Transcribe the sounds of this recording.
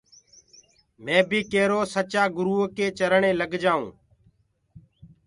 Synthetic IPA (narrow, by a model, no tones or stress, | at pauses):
mɛ̃ːbiːkeːɾoːsət͡ʃaːɡʊɾuːkeːt͡ʃəɾɳeːləɡd͡ʒaːṵ̃ː